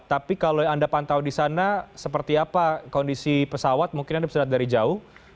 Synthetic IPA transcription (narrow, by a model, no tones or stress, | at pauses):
t̪apikaloandapant̪awdisanasəpərt̪iapakɔndisipəsawat̪̚muŋkɪnandabsəɾat̪̚daɾid͡ʒaʊh